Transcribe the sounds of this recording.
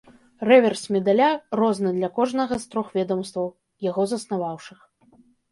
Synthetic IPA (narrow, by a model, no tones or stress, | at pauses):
rɛvʲɛrsmʲɛd̪alʲarɔznɨd̪lʲɐkɔʐnɐɣɐst̪ɾɔxvʲɛd̪ɐmst̪vɐw | jaɣɔzɐsnavawʂɨx